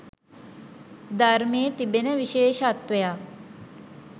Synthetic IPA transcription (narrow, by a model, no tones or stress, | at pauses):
d̪aɾmeːt̪ibenəʋiʃeːʃəat̪ʋejaː